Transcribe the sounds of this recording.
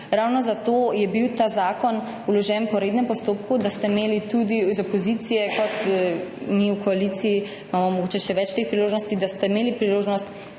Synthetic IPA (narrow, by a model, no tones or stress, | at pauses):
ɾawnɔzat̪ojɛbiwt̪azaːkɔn | ulɔʒɛnpɔɾeːd̪nɛmpɔst̪oːpkud̪ast̪ɛimeːlit̪ud̪izɔpɔzit̪sijɛkɔt̪ | miukɔalit̪siji | imamɔmɔɡot͡ʃɛʃɛʋɛt͡ʃt̪eːxpɾiloːʒnɔst̪id̪ast̪ɛimeːlipɾiloːʒnɔst̪